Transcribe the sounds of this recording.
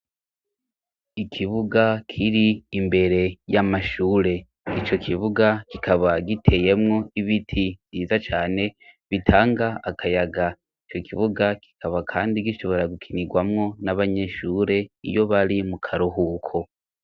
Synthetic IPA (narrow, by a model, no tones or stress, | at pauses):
ikʰiβuɡakʰiɾiːmbe̞ɾe̞jamaʃuːɾe̞ | it͡ʃo̞kʰiβuɡakikaβaɡitʰe̞je̞mŋo̞iβitʰiviːzat͡ʃaːne̞βitʰaːŋɡaakʰajaɡa | it͡ʃo̞kʰiβuɡaki̥kʰaβakʰaːndiɡiʃo̞βo̞ɾaɡukʰiniɡwamŋo̞naβaɲe̞ʃuːɾe̞ḭjo̞βaɾimukʰaɾuhukʰo